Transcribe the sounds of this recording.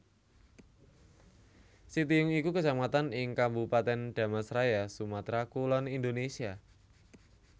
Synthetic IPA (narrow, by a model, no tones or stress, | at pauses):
sit̪̬iʊŋikukəsamat̪anɪŋkambupat̪ɛnɖ̪̥a̤masɾajasumat̪ɾakulɔnind̪onesia